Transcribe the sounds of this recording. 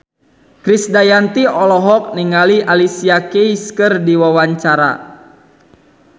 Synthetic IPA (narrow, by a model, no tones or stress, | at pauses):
kɾisdajant̪iɔlɔɦɔk̚niŋaliʔalisiakeiskərdiwawaɲt͡ʃaɾa̰